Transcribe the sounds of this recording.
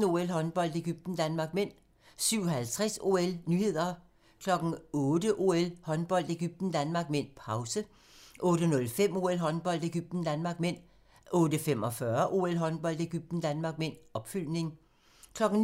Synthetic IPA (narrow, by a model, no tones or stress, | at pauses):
o̝elɦɒ̽nb̥ɒ̽l̰d̥e̝ɡ̥yb̥̚d̥n̩d̥ænmɑ̈ːɡ̥̚men̰ | syʊ̰ɒhælt͡sʰʁaso̝elnyːhe̝ð̰ˠɐ | kʰlɒ̽ɡ̥n̩ɔ̽ːdəʔo̝elhɒ̽nb̥ɒ̽l̰d̥e̝ɡ̥yb̥̚d̥n̩d̥ænmɑ̈ːɡ̥men̰pʰɑ̈ʊsə | ʔɔ̽ːɾənɔ̽lfem̰o̝elɦɒ̽nb̥ɒ̽l̰d̥eɡ̥yb̥̚d̥n̩d̥ænmɑ̈ːɡ̥men̰ | ʔɔ̽ːdəfem̰ɒ̽fɶɐʔo̝ːelɦɒ̽nb̥ɒ̽l̰d̥e̝ɡ̥yb̥̚d̥n̩d̥ænmɑ̈ːɡ̥men̰ɒ̽b̥fyl̰ne̝ŋ | kʰlɒ̽ɡ̥n̩